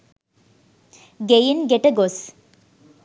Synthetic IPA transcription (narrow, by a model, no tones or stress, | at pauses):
ɡejenɡeʈəɡos